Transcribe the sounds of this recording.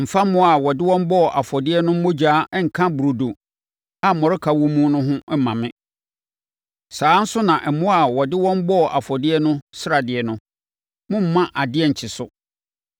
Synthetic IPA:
m̩˨fa˦m˦mʊ̃˦a˨wɔ˨dɪ˦wɔ̃˦m˦bɔ˦˨ʔa˨fɔ˨dɪ˦ɛ˦nʊ̃˦m̩˦mõ˦d͡ʑaː˨˦ɛ˦ŋ̩˨kʰã˦bu˨ɾo˨do˨ | a˦˨mɔ̃˨ɾɪ˦kʰa˨wũ˦mũ˦nʊ̃˦ɦʊ̃˦mã˨mɪ̃˦ | saː˨˦n̩˦sʊ˦nã˨ʔɛ˨mʊ̃˦a˨wɔ˨dɪ˦wɔ̃˦m˦bɔ˦˨ʔa˨fɔ˨dɪ˦ɛ˦nʊ̃˦sɪ˦ɾa˨dɪ˨ɛ˨nʊ̃˦ | mʊ̃˦m̩˦mã˦ʔa˨dɪ˦ɛ˦˨ɲ̩˨t͡ɕʰɪ˨sʊ˦˨

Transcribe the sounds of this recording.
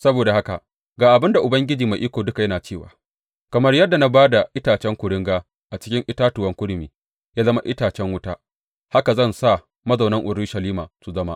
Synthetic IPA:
sɐ˦boː˨da˨ha˦ka̰˨ʔ | ɡaː˨ʔa˨bɪ˦nda˨ʔʊ˨bɐ˦ŋɡʲɪ˦d͡ʒiː˨ma˨ʔiː˦kʷoː˨dʊ˦ka˨jɐ˦naː˨t͡ʃeː˦˨wa̰ː˨ | kɐ˨mɐ˦rjɐ˦dːa˨na˦baː˦da˨ʔɪ˦taː˨t͡ʃɛ˦ŋkʷʊ˨ɾɪ˦ŋɡaː˦ | ʔa˨t͡ʃɪ˦kʲɪ˦ŋʔɪ˦taː˦tʊ˨wɐ˦ŋkʷʊ˦ɽɪ˨miː˨ | jaː˦zɐ˦ma˦ʔɪ˦taː˨t͡ʃɛ˦ŋwʊ˦taː˦ | ha˦ka˨zɐ˦˨nsa˦˨ | mɐ˦zɐ˨wnɐ˦ŋʔʊ˨ɾuː˦ʃɐ˨liː˦maː˨su˨zɐ˦ma̰˦ʔ

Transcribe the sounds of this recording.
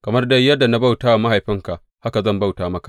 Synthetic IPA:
kɐ˨mɐ˦rda˦jːɐ˦dːa˨na˦ba˦˨wtaː˦wa˨ma˦ha˨jɸɪ˦ŋka˨ʔ | ha˦ka˨zɐ˦˨mba˦˨wtaː˦mɐ˦kḁ˨

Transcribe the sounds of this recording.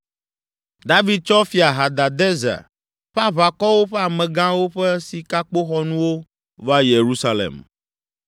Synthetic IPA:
d̪a˦vi˨d̪̚t͡ʃɔ˦fi˦a˨ɦa˨d̪a˨d̪ɛ˦za̰˨ | ɸa˦βa˨kɔ˦wo˦ɸɛ˦a˨mɛ̃˨ɡã˦wo˦ɸɛ˦si˨ka˦k͡po˦xɔ˦nũ˦wo˦ | va˦je˨ɾu˦sa˦lḛ˨m

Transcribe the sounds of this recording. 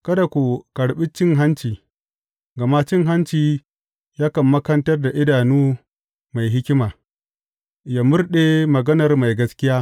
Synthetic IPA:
kɐ˦da˨kʷu˨kɐ˨ɽɓɪ˦t͡ʃɪ˦ŋɦa˦nt͡ʃiː˨ | ɡɐ˨ma˦t͡ʃɪ˦ŋɦa˦nt͡ʃiː˨ | jaː˦kɐ˨mːɐ˦kɐ˦ntɐ˦rda˨ʔɪ˦daː˨nuː˦ | ma˨jɦɪ˦kʲɪ˦maː˨ | jaː˨mʊ˦rɗe˦mɐ˨ɡɐ˦nɐ˨rma˨jɡɐ˦skʲɪ˦jaː˦

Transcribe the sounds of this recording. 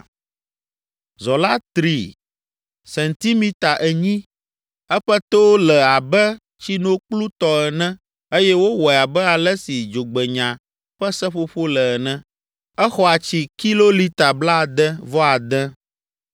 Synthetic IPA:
zɔ˨la˦t̪ɾi˨ | sɛ̃˨nt̪i˦mĩ˦t̪a˨ʔɛ˨ɲĩ˦ | ɛ˦ɸɛ˦t̪o˦wlɛ˨a˨bɛ˦ | t͡ɕi˦nõ˦k͡plu˦t̪ɔ˦ɛ˨nɛ̃˦ | e˦jɛ˦wo˦wɔ˨a˨bɛ˦a˨lɛ˦si˨d͡ʒo˨ɡ͡bɛ˨ɲã˨ | ɸɛ˦sɛ̃˦ɸo˦ɸo˦lɛ˨ɛ˨nɛ̃˦ | ɛ˦xɔ˦a˨t͡ɕi˨ki˦lo˦li˦t̪a˨bla˦˨d̪ɛ̃˦vɔ˦a˨d̪ɛ̃˦

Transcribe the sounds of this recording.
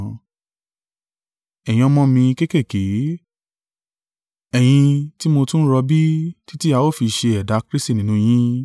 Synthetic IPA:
ɛ˨jĩ˧ɔ˧mɔ̃˦mĩ˧ke˦ke˦˨ke˨˦ | ɛ˨j̃ĩ˧ti˦mo˧tũ˦ɾɔ˧bi˦ti˦ti˦a˧o˦˨fi˧ʃe˧ɛ˨da˨˦kɾi˦sti˦˨nĩ˨˦nũ˧j̃ĩ˦

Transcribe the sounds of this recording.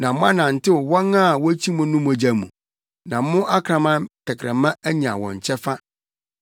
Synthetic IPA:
nã˨mʊ̃˦a˦nã˨n̩˨tʰɪ˦wwɔ˦ŋã˦˨wɔ˦t͡ɕʰi˦mʊ̃˦nʊ̃˦m̃˨d͡ʑa˨mṵ̃˨ | nã˨˦mʊ̃˦ʔa˦kʰɾã˨mã˦tʰɪ˨kʰɾɛ˨mã˦æ˦ɲã˨wɔ̰̃˨ɲ˨t͡ɕʰɛ˦fa˦

